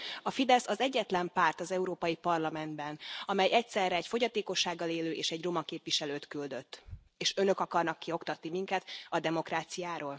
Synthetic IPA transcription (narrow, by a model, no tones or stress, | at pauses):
ɒfid̪ɛsɒzɛɟːɛt̪lɛmpaːrt̪ɒzɛuɾoːpɒjipɒrlɒmɛnd̪bɛnɒmɛjɛc̚t̪sɛrːɛːcfo̞ɟɒt̪eːko̞ʃːaːɡːɒleːløːʔeːʃɛɟro̞mɒkeːpʋiʃɛløːt̪kyld̪ø̞t̪ː | eːʃønø̞kɒkɒrnɒkːio̞kt̪ɒt̪nimiŋkɛt̪ɒd̪ɛmo̞kraːt̪sijaːɾoːl